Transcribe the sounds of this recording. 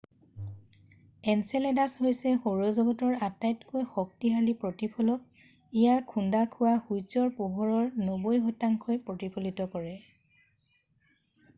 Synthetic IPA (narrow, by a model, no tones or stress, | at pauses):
ɛnsɛlɛdasɦojsɛxoɹɔzɔɡɔtɔɹatajtkojxɔk̚tiɦalipɹɔtipʰɔlɔk̚ | ijaɹkʰundakʰʊwahujsɔɹpuɦɔɹɔɹnobojɦɔtaŋkʰojpɹotipʰolitɔkɔɹɛ